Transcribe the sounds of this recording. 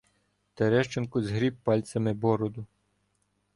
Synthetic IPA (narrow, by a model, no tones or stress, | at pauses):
t̪ɐɾɛʃt͡ʃenkʊzɦɾʲip̚pɑlʲt̪sʲɐmɪbɔɾɔd̪ʊ